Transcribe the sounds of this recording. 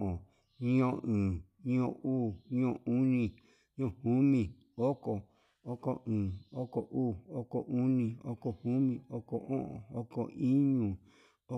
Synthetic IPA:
ʔõ˨ | ɲĩ˦õ˧ʔɨ̃ː˨ | ɲĩ˦õ˧uː˦˨ɲĩ˦õ˧˨u˦nĩ˧ | ɲ˦õ˦˧˨hu˦mĩ˧˨ | o˦ko˨ | o˦ko˧ʔɨ̃ː˨o˦ko˨ʔuː˦˨o˦ko˨ʔu˦nĩ˧o˦ko˧hu˦mĩ˧o˦ko˨ʔõ̰˦ʔõ̰˨o˦ko˨i˦ɲũ˧˨ | o˦

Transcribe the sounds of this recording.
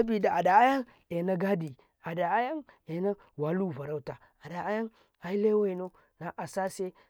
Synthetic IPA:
a˦bi˨da˨a˨da˨a˦ja˦ŋ | e˨na˦ɡa˦di˨ | a˨da˨a˦ja˦ŋe˨˦na˦ | wa˨˦lu˦˨va˨ɾa˦ta˨ | a˨da˨a˦ja˦ŋ | a˨i˦le˦wa˦i˨no˦ | na˨ʔa˨sa˦se˦

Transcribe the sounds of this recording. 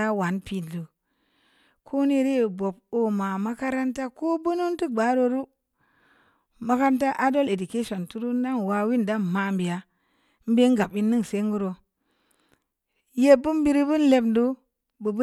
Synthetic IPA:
a˦wa˨npi˨n˨du˨ | kʰo˦ni˦ɾi˦˨bo˨p̚o˨ma˨ma˦ka˦ɾa˦nta˦ko˦bu˦nu˦ntu˦ɡ͡ba˨˦ɾo˦ɾu˦ | ma˦ka˦n˦ta˦ʔa˦do˦le˨du˨ke˦ʃo˨ntu˦ɾu˦n˦da˦nwa˨wi˦nda˦nma˨mbi˨ja˨ | m̩˦be˦ŋ˦ɡa˨pi˦nːɨ˦ŋse˦ŋɡu˦ɾo˨ | je˦bu˦m˦bi˦ɾi˦bu˦n˦le˨bndu˦ | bɨ˨b

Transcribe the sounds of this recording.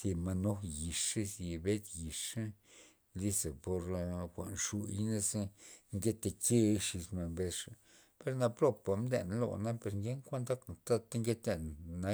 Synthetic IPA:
si˧ma˧no˦ji˨ʂe˦si˧be˦t̪ji˨ʂa˦ | li˦se˨po˧ɾkʷa̰˨nʂu˧jne˦se˦ŋɡe˦t̪e˧ke˦˧ʂi˧sme˨mbe˧˦sʂa˨ | pe˧ɾna˧pɾo˦pa˧md̪e˧n˧lo̰˧˨na˦pe˧ɾŋɡe˦ŋkʷa˦nd̪a˦kt̪a˦t̪a˦ŋɡe˦t̪e˧n˨nːa˧

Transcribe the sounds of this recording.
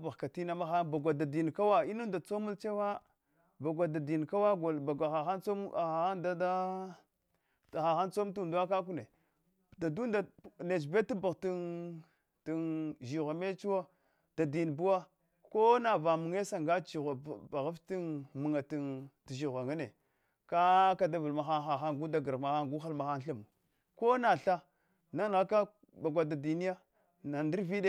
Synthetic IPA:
ba˨ɣka˨ti˦na˦ma˦xa˦ba˨ɡʷa˨da˨di˨n˨ka˦wa˦i˦nu˦nda˨t͡so˦mu˦lt͡ʃe˦wa˦ | ba˨ɡʷa˨da˨di˨n˨ka˦wa˦ɡa˨ba˨ɡʷa˨xa˨xa˦nt͡so˦m˨a˨a˦nda˦da˦˨ | xa˨xa˦nt͡so˦mtu˦˨du˦a˦ka˦k̬u˦ne˨ | da˨du˦nda˨ne˨d͡ʒ̬be˦ti˦ba˨ɣti˦n | ti˨nʒi˨ɣʷa˨me˦t͡ʃu˦wa˦ | d̥a˨di˨n˨bu˦wa˦ | ko˦na˨va˨mu˨ŋe˦sa˨ŋɡa˦t͡ʃi˨ɣa˨ba˨ɣa˦fti˦nmu˨ŋa˨ti˨nti˨ʒi˨ɣʷa˨ŋa˦ne˨ | ka˦ka˨da˦va˨lma˨xa˦xa˨xa˦ɡu˦da˦ɡa˨ɾma˨xa˦ɡu˦xa˦lma˨xa˦n˦ɬi˦m˨ | ko˦na˨ɬa˦ | na˦n˨ɣa˦ka˦ | ba˨ɡʷa˨da˨di˨ni˦ja˦ | na˨ndi˦ɾvi˦ɗe˦

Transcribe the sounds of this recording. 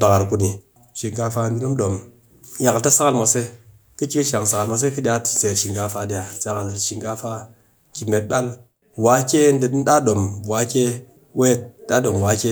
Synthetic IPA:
ba˨ka˨ɾku˧ni˨ | ʃi˨ŋɡa˧fa˧˨ɡi˦nu˦mɗo˨m | ja˨ka˨ta˦sa˦ka˦lmʷa˨˧se˦ | ki˦t͡ʃi˦ki˦ʃa˨ŋsa˨ka˨lma˧s̬e˦ki˦dʲi˦a˧˦tse˨ɾʃi˨ŋɡa˧fa˧dʲa˨t͡sa˨ka˨ʃi˨ŋɡa˧fa˧ | ki˨me˨t̚ɓa˦l | wa˨˦kʲe˦n˦de˨˦da˦ɗo˨mwa˨˦kʲe˦ | we˦˨da˦ɗo˨m˨wa˨˦ke˦

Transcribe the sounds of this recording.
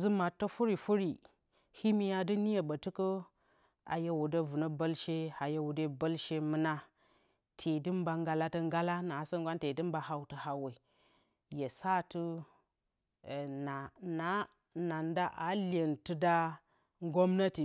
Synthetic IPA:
zɨ˦ma˨tːə˦fu˦ɾi˨fu˦ɾi˨ | hi˦mi˦ja˨dɨ˦ni˦je˨bə˨tɨ˦kə˦ | a̰˨je˦wu˨də˦vu˨nə˦bə˦lʃe˦ha˨je˦wu˨de˦bə˦lʃe˦mɨ˦na˦ | tʰe˨dɨ˦mba˨ŋɡa˨la˦tə˦ŋɡa˦la˦na˨sə˦ŋɡʷa˦nte˨dɨ˦mba˨ɦa˨wtə˨ha˨we˨ | je˨sa˦tɨ˦˨ | na˨na˨˦ | na˨nda˦ʔa˨lʲe˨ntɨ˦da˦ | ŋɡo˦mna˦ti˨

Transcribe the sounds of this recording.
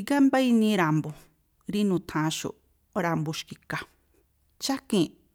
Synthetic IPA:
ɡa˦mba˦i˧nĩ˧ɾa˨mbo˨ | ɾi˦nũ˨t̪ʰã˨˧ʃo̰˨ | ɾa˧mbu˧ʃki˧ka˨ | t͡ʃa˦kĩ˦˧

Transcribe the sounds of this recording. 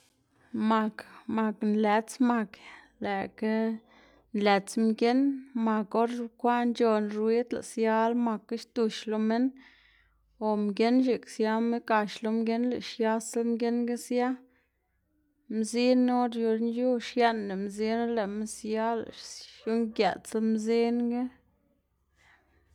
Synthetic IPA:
ma˨kma˨knle˨˦t͡sma˧k | le˨ke˦ | nle˨t͡smɡe˦nma˨ko˦ɾkʷa˦nd͡ʒo˧nɾwi˦t̪la̰˨sja˦lma˧kːa˦ʃt̪u˧ʃlo˧me˦n | o˨mɡʲe˦nʃi˨ksja˦me˦ka˧ʃlo˧mɡe˦nlḛ˨ʃja˦smɡe˦nɡe˦sja˦ | mzi˦no˦ɾjo˧ɾnju˦ʂje˦nːe˨mzi˦n˦le˨me˦sja˦la̰˨ʂju˦ŋɡja˨t͡sa˧˦mzi˦nŋɡe˦

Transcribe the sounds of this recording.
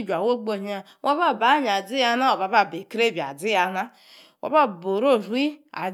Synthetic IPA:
d͡ʒʷa˨wo˦ɡ͡bo˦˨ɲi˦a˨ | wʔa˦βa˦˨ba˨˦ɲ˨a˨d͡zi˦ja˦na˦o˨ba˨ba˦˨be˨kɾe˦˨ba̰˨d͡zi˦a˨na˦ | wa̰˦ba˦bo˨ɾo˦˨zu˦i˦a̰˨

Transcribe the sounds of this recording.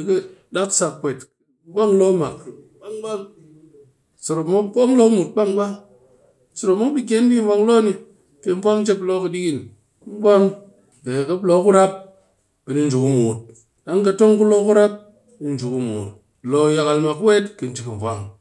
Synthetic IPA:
i˨kɨ˦ | da˦ksa˧kkːʷe˨t | bʷa˦ŋ˦lo˦ma˨kɓa˦ŋɡ͡ba˦ŋ | so˨ɾo˨mo˦bo˦ŋlo˦mu˨t̚ɓa˦ŋɡ͡ba˦ŋ | so˨ɾo˨mo˦kbi˦k̬ʲe˦ndi˦vʷa˧ŋ˦lo˦ni˧ | pe˧m˦vʷa˦ŋ˦t͡ʃe˦p̬lo˦kɨ˧di˦ki˦n˦ | bʷa˦ŋ | ke˨kɐ˦plo˦ku˦ɾa˦p̚ | bi˨ni˦nd͡ʒu˨ku˦mu˨t̚ | ɗa˦ŋka˧to˦ŋku˦lo˦ku˦ɾa˦p̚ | ni˧n˨d͡ʒu˨ku˦mṵː˨t̚ | lo˧ja˧ka˨lma˨kwe˦tkɨ˨n˦d͡ʒi˨kɨ˨vʷa̰˦ŋ

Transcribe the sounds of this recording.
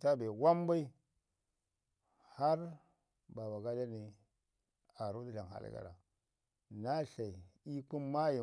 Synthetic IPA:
ta˦be˨wa˦mba˦i˦ | ha˦ɾ | ba˨ba˨ɡa˦da˦ni˨ | a˨ɾu˦di˦ɬa˨ŋɦa̰˨l̰ɡa̰˦˨ɾa̰˨ | na˦ɬa˨i˨i˦ku˦mma˦ji˨

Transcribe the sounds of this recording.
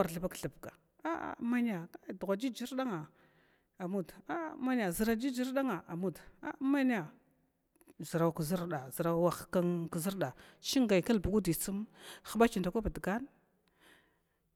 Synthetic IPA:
wa˨ɾɬə˨ba˦kɬə˨bɡa˨ | a˦a̰˨ma˦ni˦a˨a˦˨du˨ɣʷa˨d͡ʒi˦d͡ʒi˦ɾɗa˦ŋa˨ | a˨mu˦da˦˨˦ma˦ni˦a˨zə˨ɾa˨d͡ʒi˦d͡ʒi˦ɾɗa˦ŋa˨a˨mu˦da̰˦ma˦ni˦a˨ | zə˨ɾa˨wkə˨zi˦ɾɗa˨zə˨ɾa˨wa˨xka˦ŋkzɾɗa˨ʃi˦ŋɡa˨jka˦lbu˨ɡu˦di˨t͡su˦m˦xa˨ba˦t͡ʃi˨nda˨kʷa˦bi˨dɡa˦n

